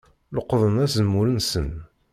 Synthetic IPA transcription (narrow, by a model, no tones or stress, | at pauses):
ləqːðˤənæzəmːulənsə̰n